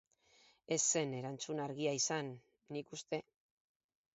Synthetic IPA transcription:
e̞sːe̞ne̞ɾant͡sunaɾɣiaisanː | ikust̪e̞

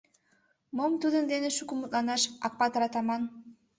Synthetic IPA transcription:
momt̪ud̪ɯnd̪eneʃukumut̪lˠɑnɑʃɑk̚pːat̪aɾɑt̪ɑmɑn

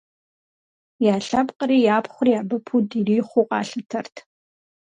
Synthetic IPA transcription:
jaːɬɐpqʼəɾiːjaːpʰχʷʊrijaːbɐpʰudiriːχʷʊqʼɑ̰ːɬɨtʰɐrtʰ

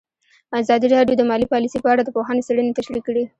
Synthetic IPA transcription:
azɑd̪iɾɑɖjod̪əmɑlipɑlisepəaɽad̪əpoɦanosaɽənet̪aʃɽikːɽi

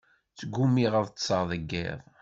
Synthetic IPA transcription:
t͡sːəɡːumiʁəðˤt̪sˤəɾðˤəɡːɪ̰ðˤ

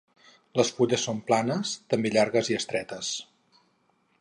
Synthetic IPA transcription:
ləspuʎəsːomplanəst̪əmbeʎaɾɣəziəst̪ɾɛt̪əs

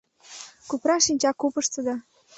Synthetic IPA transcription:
kupɾɑʃinʲt͡ɕɑkːupəʃt̪ə̆d̪ɑ

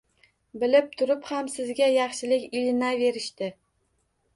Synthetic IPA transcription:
bɪlɪp̚t̪ʰʊɾɪphamsɪzɡʲajɑχʃɪlɪkʲɪlnave̞ɾɪʃt̪ɪ

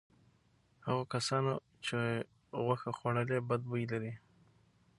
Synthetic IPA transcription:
haɣokasɑno | t͡ʃe | ɣwaxaxwaɽəlebad̪̚bujlaɾi

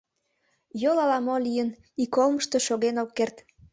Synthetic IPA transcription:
jolɑlɑmolijən | ikolməʃt̪o̽ʃoɣenokːert̪

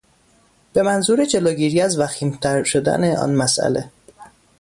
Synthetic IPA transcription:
b̥e̞mænzuːɾed͡ʒe̞loːɟiːɾiːæzvæxiːmt̪ʰæɾʃo̞d̪æ̰neʔɒ̰ːnmæsʔæ̰le̞̰

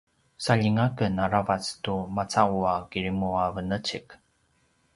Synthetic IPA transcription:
saʎiŋakənaɾavat͡stumat͡sauakiɾimuavənət͡ɕik

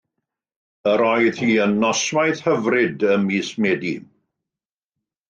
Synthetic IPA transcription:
əɾɔjð̥hiːənːɔswajð̥həvrɪdəmismɛːdi

